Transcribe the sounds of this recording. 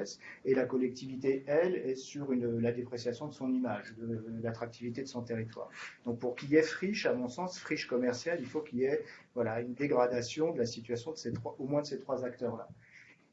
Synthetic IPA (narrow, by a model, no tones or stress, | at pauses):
ɛselakɔlɛk̚t̪ivit̪eɛlɛsyʁynlad̪epχesjasjɔ̃d̪əsɔ̃nimaʒd̪əlat̪χak̚t̪ʰivit̪ed̪əsɔ̃t̪eʁit̪wa̰ːʁd̪ɔ̃k̚puʁkʲilɛfχiʃamɔ̃sɑ̃sfχiʃkɔmɛʁsjalilfokʲiljɛvwalaynd̪eɡʁad̪asjɔ̃d̪əlasit̪ɥasjɔ̃d̪əset̪χwaʔomwɛ̃d̪əset̪χwazakt̪œʁla